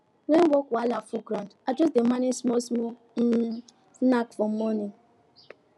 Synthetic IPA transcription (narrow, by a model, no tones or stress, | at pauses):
wɛwɔkwalafuɡɾandad͡ʒɔs̬demanismɔsmo | snakfɔm̩mɔni